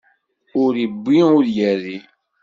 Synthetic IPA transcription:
ʊɾibːiʊɾjæɾːi

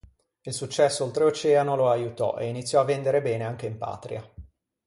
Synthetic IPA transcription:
ilsut͡ʃːɛsːoolt̪ɾeot͡ʃɛːanoloajut̪ɔ̰ʔḛinit̪sːjɔavːend̪eɾebɛːneaŋk̟eimpa̰ːt̪ɾḭa

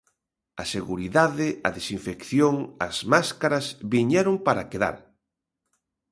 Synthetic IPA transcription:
ɐseɣuɾiðaðɪɐðesiɱfekθjoŋɐ̰zmaskaɾɐzβiɲɛɾompaɾakeða̰ɾ

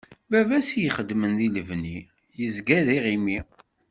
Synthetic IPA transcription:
bævæsijəχəd̪mənðiləvni | jəzɡæðiʁimi

